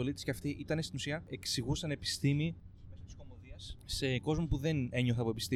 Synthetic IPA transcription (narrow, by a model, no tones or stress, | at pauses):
o̞lit̪isceɐft̪iʔit̪ɐnest̪inusiɐe̞ksiɣusɐne̞pi̥st̪imimesot̪isko̞mo̞ðiɐsːe̞ko̞zmupuðe̞ne̞ɲo̞θɐpo̞epist̪i